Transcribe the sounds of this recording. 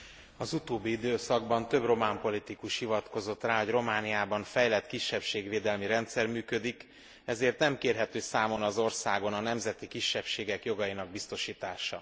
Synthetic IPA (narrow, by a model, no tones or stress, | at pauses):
ɒzut̪oːbːiid̪øːsɒɡbɒnt̪ø̞bro̞maːmpo̞lit̪ikuʃhivɒt̪ko̞zo̞t̪raːɦoɟro̞maːnijaːbɒɱfɛjlɛt̪kiʃːɛpʃeːɡʋeːd̪ɛlmiɾɛnt̪sɛrmyːkø̞d̪ik | ɛzeːrt̪nɛmkeːrɦɛt̪øːsaːmo̞nɒzo̞rsaːɡonɒnɛmzɛt̪ikiʃːɛpʃeːɡɛkjo̞ɡɒjinɒɡ̚bist̪o̞ʃiːt̪aːʃɒ̰